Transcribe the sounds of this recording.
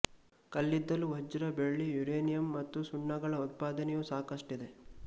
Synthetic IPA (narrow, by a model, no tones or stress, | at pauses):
kɐlːid̪ːɐluɦɐd͡ʒɐɾɐbeɭːijuɾeːnijɐmːɐt̪ːusuɳːɐɡɐɭɐut̪̚paːd̪ɐnɛjusaːkɐʂʈid̪e̞